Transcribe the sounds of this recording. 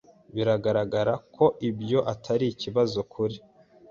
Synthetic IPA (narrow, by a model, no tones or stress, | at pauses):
βiɾaɡaɾaɡaɾakʰo̞ʔibjo̞ʔatʰaɾiciβazo̞kʰuɾi